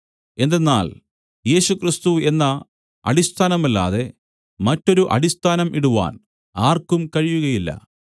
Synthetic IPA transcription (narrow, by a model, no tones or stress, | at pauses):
e̞nd̪e̞nːa̰ːl | je̞ːɕukrist̪ue̞nːɐ | ɐ̰ɽist̪ʰaːnɐmɐlːa̰ːðe̞ | mɐtːo̞ɾuʔɐ̰ɽist̪ʰaːnɐmʔiɽuʋa̰ːn | aːrkumkɐɻijuɣɐjilːɐ̰